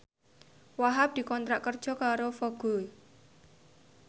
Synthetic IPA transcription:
waɦap̚d̪̥i̤kɔnt̪ɾaʔkər̥ʒ̥ɔ̤kaɾofoɡ̥o

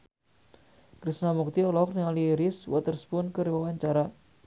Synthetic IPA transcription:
kɾisnamuk̚t̪iɔlɔkniŋaliɾɪswat̪ərspʊnkɨrwawaɲt͡ʃaɾa

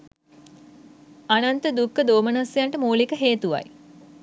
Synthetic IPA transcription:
anant̪əd̪ukːəd̪oːmənasejaɳʈəmuːlikəɦeːt̪uʋa̰j

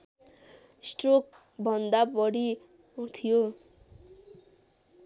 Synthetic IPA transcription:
sʈɾok̚ | bʱɔnd̪apɔɽi | ɦot̪ʰijo

